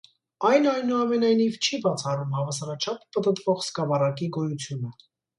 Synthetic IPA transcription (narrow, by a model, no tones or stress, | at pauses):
ɑjnɑjnuɑmɛnɑjnivt͡ʃʰibɑt͡sʰɑrumhɑvɑsɑɾɑt͡ʃʰɑpʰːət̪ət̪vɔʁskɑvɑrɑkiɡɔjut͡sʰjunə